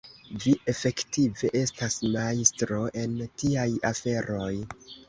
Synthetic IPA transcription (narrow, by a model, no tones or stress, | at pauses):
viʔe̞fe̞ktive̞ʔe̞stasmaistɾo̞ʔe̞ntiajafe̞ɾo̞j